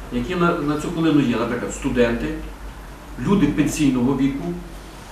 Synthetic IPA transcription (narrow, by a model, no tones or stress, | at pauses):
jɐkʲinɐnɐt͡sʲukɔlˠɪnʊjɛnɐpɾɪklˠɐdt̪st̪ʊd̪ɛnt̪ɪ | lʲud̪ɪpenʲsʲijnɔɦɔʋʲikʊ